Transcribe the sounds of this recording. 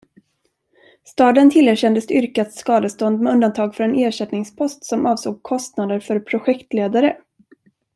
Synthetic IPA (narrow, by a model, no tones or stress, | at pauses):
st̪ɑːd̪ənt̪ʰɪlæːɾɕɛnd̪əsd̪ɛʏɾkat̪skɑːd̪əst̪ɔnd̪mɛɵnd̪ant̪ʰɑːɡfœɾɛneːʂɛt̪nɪŋspʰɔst̪sɔmʔɑːvsoːɡ̚kʰɔst̪nad̪əɾfœɾpʰɾʊɧɛkt̪leːd̪aɾə